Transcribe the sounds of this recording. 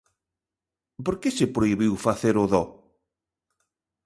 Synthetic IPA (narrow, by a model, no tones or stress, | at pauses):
poɾkesepɾoiβiwfaθeɾʊðɔ